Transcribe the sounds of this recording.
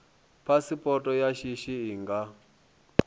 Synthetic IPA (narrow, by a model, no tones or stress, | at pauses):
pʰasipʼɔtʼɔjaʃiʃiiːŋɡa